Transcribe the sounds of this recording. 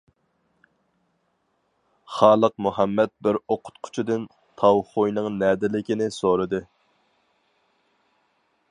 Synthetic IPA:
χɑːlˠəq̚muɦɛmːɛt̪̚bɪɾoqʰʊ̥t̪qʰʊ̥t͡ʃʰid̪ɨn | t̪ʰɑwχojnɨŋnɛːd̪ɪlɪkʲinɪsoɾɨd̪ɨ

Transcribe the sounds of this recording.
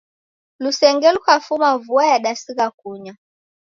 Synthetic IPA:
lusɛŋɡɛlukafumavuajaɗasiɣakuɲa

